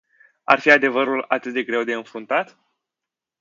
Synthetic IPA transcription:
a̰rfiad̪e̞vəɾula̰t̪ɨt̪̚d̪e̞ɡɾe̞wd̪e̞ɨnfɾunt̪at̪

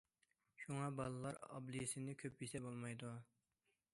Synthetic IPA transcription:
ʃuŋɑbɑlˠɨlˠɑɾɑ̰blɨjɪsɪnɪkʲʰøp̚jesɛbolˠmɑjd̪u

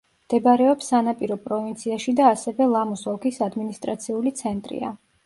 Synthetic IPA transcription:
md̪̥ɛbaɾɛɔpsːanapʼiɾɔpʼɾɔvint̪sʰiaʃid̪aːsɛvɛlˠamɔsɔkʰisad̪minist̪ʼɾat̪sʰiulit̪sʰɛnt̪ʼɾḭa̰

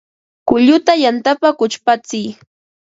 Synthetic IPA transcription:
kʊʎʊt̪ajant̪apakʊt͡ʃpat͡sɪj

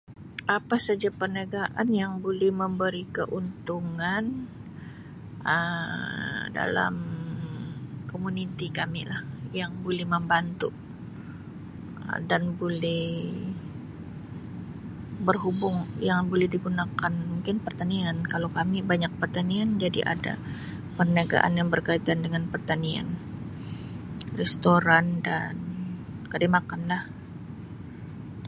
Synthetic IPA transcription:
ʔapasad͡ʒapərnaɡaʔanjaŋbolɛhməmbəɾikəʔunt̪uŋan | ə | da̰la̰m | komunit̪ikamḭlahjaŋbolɛhməmbant̪u | ə̰danbolɛh | bərɦubʊŋjaŋbolɛhdiɡunakanmuŋkɪnpərt̪aniankalokamibaɲak̚pərt̪aniand͡ʒadiʔa̰da̰ | pərnaɡa̰ʔa̰njaŋbərkait̪andəŋanpərt̪ania̰n | rɛst̪oɾandankademakanlah

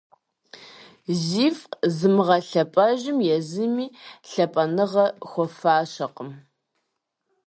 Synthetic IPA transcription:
ziːfzɨmɨʁɐɬɐpʼɐʒɪmjɛzɨmiːɬɐpʼɐnɨʁɐxʷɔfaːɕɐqəm

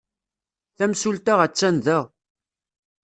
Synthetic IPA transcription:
θæmsult̪aʁæt͡sːænðæʁ

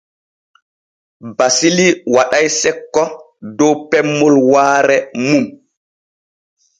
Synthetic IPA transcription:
basiliwaɗajsɛkːɔ | dɔwpɛmːɔlwaːɾɛmum

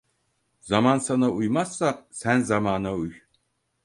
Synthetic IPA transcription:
zamansanaʔujmasasænzamaːnauj

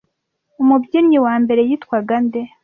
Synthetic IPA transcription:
umubɟimɲiwaːmbe̞ɾe̞jitkwaɡande

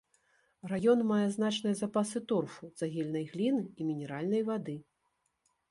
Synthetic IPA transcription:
rajɔnmajɛznat͡ʂnɨjɐzapasɨt̪ɔrfuz̥aɣʲɛlʲnɐjɣlʲinɨimʲinʲɛɾalʲnɐjvad̪ɨ

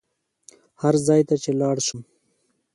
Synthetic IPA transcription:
haɾzɑːjt̪at͡ʃelɑːɽʃum

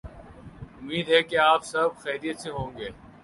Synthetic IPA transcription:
ʊmiːd̪ɦɛkeaːpsɐbxɛːɾijət̪seɦõːŋɡeː

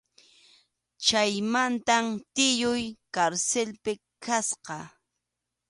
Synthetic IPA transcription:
t͡ʃajmant̪amt̪ɪjʊjkaɾselpɪ | kʰasqɑ

